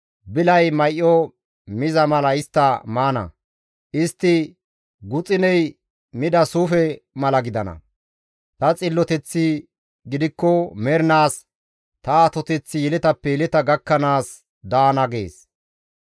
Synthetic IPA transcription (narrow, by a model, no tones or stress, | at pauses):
bɪlɐjmɐjʔːɔ | mɪzɐmɐlɐɪst̪ːɐmaːnɐ̰ | ʔɪst̪ːɪ | ɡʊt͡sʼɪnɛj | mɪd̪ɐsuːfɛmɐlɐɡɪd̪ɐnɐ̰ | t̪ɐt͡sʼɪlːɔt̪ɛt͡sːɪ | ɡɪd̪ɪkːɔmɛɾnaːs | t̪ɐːt̪ɔt̪ɛt͡sːɪjɛlɛt̪ɐpːɛjɛlɪt̪ɐɡɐkːɐnaːs | d̪aːnɐɡḛːs